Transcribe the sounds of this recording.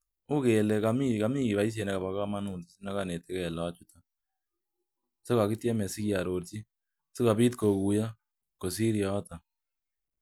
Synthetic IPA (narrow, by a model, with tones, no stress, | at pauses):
u˦kɛ˨lɛ˨ka˨mi˦˨ka˨mi˦i˨βa˨i˦s̬je˨nɛ˦ka˨βa˨ka˦ma˦nu˨nti˨si˦na˦ka˦ne˨tɛ˦kɛ˨la˨a˦t͡ʃu˦ta˦ | so˦ka˨ki˦tjɛ˦mɛ˨si˦kja˨ɾo˨ɾti˦ | si˦ka˨bi˦tko˨ku˨ja˦ | ko˨s̬i˦ɾja˨a˦ta˨